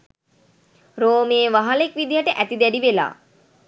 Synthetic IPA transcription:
ɾoːmeːʋaɦalekʋid̪ijaʈəʔæt̪id̪æɖiʋela̰ː

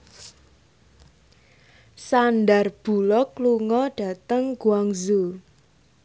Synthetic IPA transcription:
sanɖarb̥ṳlɔkluŋɔɖ̥ä̤t̪əŋɡ̥uaŋzu

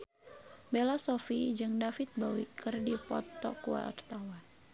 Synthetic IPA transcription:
belasɔfid͡ʒɨŋdafit̪̚bawikɨrdipɔt̪ːɔkua̰ɔ̰rt̪awan

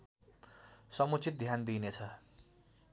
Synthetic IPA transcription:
sʌmut͡sit̪̚d̪ʱjand̪inet͡sʰʌ

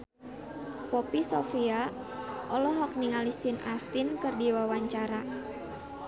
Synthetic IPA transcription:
pɔpisofia | ʔɔlɔɦɔk̚niŋalisinʔast̪inkɨrdiwawaɲt͡ʃaɾa

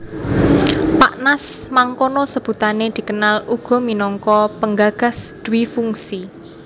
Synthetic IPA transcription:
paʔnasmaŋkonɔsəb̥ṳt̪aned̪̥i̤kənaluɡ̥ɔ̤minɔŋkɔpəŋɡaɡ̥a̤sd̪̥ṳwifuŋsi

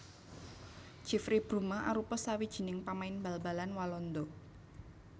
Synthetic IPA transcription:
t͡ʃifɾib̥ɾumaʔaɾupɔsawid̥ʒ̥i̤nɪŋpamaɪnbalbalanwalɔnd̪ɔ

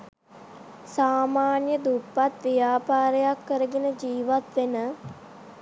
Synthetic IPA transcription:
saːmaːnjəd̪upːat̪ʋijaːpaːɾəjakːəɾəɡenəd͡ʒiːʋat̪ʋenə

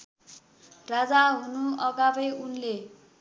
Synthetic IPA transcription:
rad͡zaɦunuʌɡabʌjunle

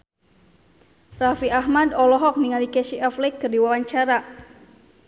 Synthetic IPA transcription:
rafiʔaɦmadɔlɔɦɔk̚niŋalikɛsiʔaflɛkːɨrdiwawaɲt͡ʃaɾa

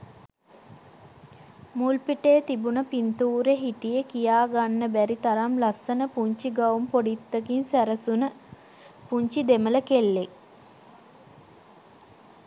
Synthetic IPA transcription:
mulpiʈeːt̪ibunəpint̪uːɾeɦiʈijəkijaːɡanːəbæɾit̪aɾamlasːənəpuɲt͡ʃiɡaumpoɖit̪ːəkinsæɾəsunə | puɲt͡ʃid̪emələkelːek

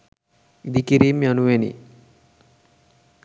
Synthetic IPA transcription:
id̪ikiɾiːmjanuʋenḭ

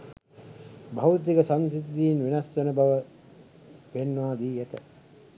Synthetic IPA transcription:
bʱɐʋut̪iɡəsansit̪ːiːnʋinɐsːənəbɐʋə | penːʋaːd̪iːæt̪ə

